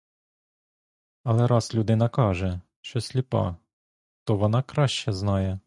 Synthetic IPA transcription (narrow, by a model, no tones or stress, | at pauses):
ɐlˠɛɾɑslʲuʊd̪ɪnɐkɑʒɛ | ʃt͡ʃɔsʲlʲipɑ̰ | t̪ɔʋɔnɑkɾɑʃt͡ʃɛznɑjɛ